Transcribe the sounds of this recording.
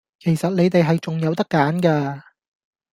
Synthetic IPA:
kʰe˨˩jsɐ˨t̚le˨˧jt̪e˨jɦɐ˨jt͡sʊ˨ŋjɐ˨˧wt̪ɐ˥kːaː˨˥nkaː˧

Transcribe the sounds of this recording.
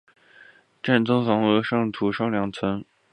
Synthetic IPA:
ʈ͡ʂa˥˩nt͡sɤ˥ŋfɑ˧˥ŋɤ˧˥ʂɑ˥˩ŋt̪ʰu˧˥ʂɑ˥ʊljɑ˨˥ŋt͡sʰə˧˥n

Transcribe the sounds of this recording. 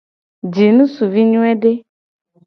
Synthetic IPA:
d͡ʒi˨nũ˦su˨vi˦ɲũ˦ɛ˦ɖe˦

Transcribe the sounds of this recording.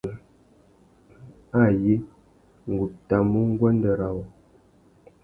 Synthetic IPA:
a˦˨je˦ | ŋ̩˨ɡu˨p̚ta˨mu˦ŋ˦ɡwə˦n˦də˨ɾa˨w

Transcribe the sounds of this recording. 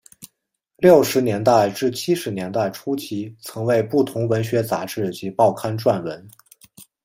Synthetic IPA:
ljo˥˩ʊʂɻ̩˧˥njɛ˧˥nt̪a˥˧ɪʈ͡ʂɻ̩˥˩t͡ɕʰi˥ʂɻ̩˧˥njɛ˧˥nt̪a˥˩ɪʈ͡ʂʰu˥t͡ɕʰi˧˥t͡sʰɤ˧˥ŋwe˥˧ɪpu˥˩t̪ʰʊ˧˥ŋwə˧˥nɕɥɛ˧˥t͡sa̰˧˥ʈ͡ʂɻ̩˥˩t͡ɕi˧˥pɑ˥˩ʊkʰa˥nʈ͡ʂwa˥˩nwə˧˥n

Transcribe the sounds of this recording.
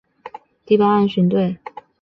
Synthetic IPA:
t̪i˥˧pa˥˧a˥˧nɕy˧˥nt̪we˥˩ɪ

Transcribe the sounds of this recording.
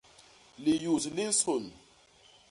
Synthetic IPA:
li˨ju˨si˨li˦n˦so˨ni˨

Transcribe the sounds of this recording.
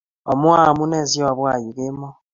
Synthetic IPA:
o˨mwa˦˨mu˦ne˦˨zjwa˨βwa˦˨ji˨ke˦mo˦

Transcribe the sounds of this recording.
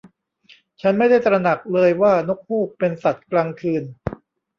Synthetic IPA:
t͡ɕʰa˦˥nma˥˩jda˥˩jt̪ɾa˧na˨˩k̚lɤː˧jwaː˥˩no˦˥k̚huː˥˩k̚pe˧nsa˨˩t̪̚klaː˧ŋkʰɯː˧n

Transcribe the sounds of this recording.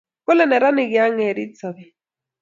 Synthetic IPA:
kʊ˦lɛ˨nɛ˨ɾa˦nɪ˨kɪ˨˦a˦ŋɛ˨ɾi˦t͡sɔ˨bi˨

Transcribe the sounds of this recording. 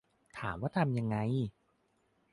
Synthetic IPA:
t̪ʰaː˩˦mwaː˧˥˩t̪ʰa˧mja˧ŋːa˧˥j

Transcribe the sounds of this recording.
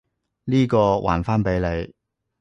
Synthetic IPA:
liː˥kɔː˧wʔa̰ː˨˩nfaː˥npe˨˥jle˨˧j

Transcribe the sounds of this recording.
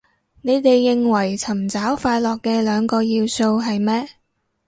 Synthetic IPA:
ne˨˧jt̪e˨jːɪ˨ŋwɐ˨˩jt͡sʰɐ˨˩mt͡saː˨˥wfaː˧jlɔː˨kːɛː˧lœː˨˧ŋkɔː˧jiː˧wso˧wɦɐ˨jmɛː˥

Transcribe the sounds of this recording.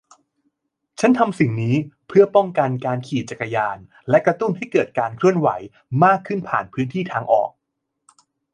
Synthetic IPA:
t͡ɕʰa˦˥nt̪ʰa˧msi˨˩ŋniː˦˥pʰɯ˥˩ɐpɔ˥˩ŋka˧nkaː˧nkʰiː˨˩t͡ɕa˨˩kːa˧jaː˧n | lɛ˦˥kɾa˧t̪u˥˩nɦa˥˩jkɤː˨˩t̪̚kaː˧nkʰɾɯ˥˩ənwa̰˩˦j | maː˥˩kʰːɯ˥˩npʰa̰ː˨˩npʰɯː˦˥nt̪ʰiː˥˩t̪ʰaː˧ŋʔɔ̰ː˨˩k̚

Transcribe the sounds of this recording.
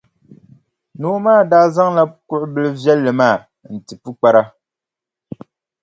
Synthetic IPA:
noː˨˦maː˦˨daː˦za˦ŋla˦kʊ˦ʔʊ˦bɨ˦lɨ˦vjɛ˦lːɨ˨maː˦˨ | n̩˨tɨ˨pu˦k͡pa˦ɾa˦

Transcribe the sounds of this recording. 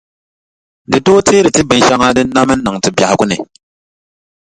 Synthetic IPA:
dɨ˨doː˦tʰeː˦ɾɨ˨tɨ˦bɨ˨n˨ʃa˦ŋaː˦dɨ˦n˦na˦mɨ˦n̩˦nɨ˨ŋtɨ˨bja˨hɪ˨ɡʊ˦nɨ̰˨

